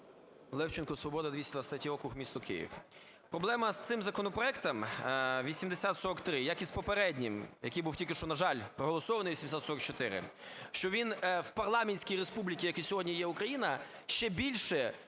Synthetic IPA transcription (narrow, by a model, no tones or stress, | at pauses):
lˠɛwt͡ʃɪnkɔsʋɔbɔd̪ɐd̪ʋʲisʲtd̪ʋɐst̪atʲiɔkʊxmʲist̪ɔkɪ̰jḭw | pɾɔblˠɛmɐst̪sɪmzɐkɔnɔpɾɔɛkt̪ɐmʋʲisʲimd̪esʲat̪sɔɾɔkt̪ɾɪjɐkispɔpeɾɛdʲnʲimjɐkijbuwtʲilʲkʲɪʃt͡ʃɔnɐʒɑlʲpɾɔɦɔlˠɔsɔʋɐnɪjʋʲisʲmd̪ʲesʲat̪sɔɾɔkt͡ʃɔt̪ɪɾɪ̰ʃt͡ʃɔʋʲinwpɐrlˠɑmenʲsʲkʲijɾespublʲikʲijɐkɛsʲɔɦɔdʲnʲijɛukɾɐjinɐ | ʃt͡ʃɛbʲilʲʃɛ